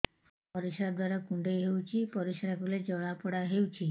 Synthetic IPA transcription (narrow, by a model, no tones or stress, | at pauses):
pɔɾisɾad̪waɾakuɳɖejɦewt͡ʃʰipɔɾisɾakuled͡ʒɔɭ̃apɔɽaɦewt͡ʃʰi